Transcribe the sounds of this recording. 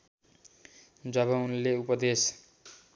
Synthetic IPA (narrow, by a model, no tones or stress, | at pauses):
d͡zʌbʌunleupʌd̪es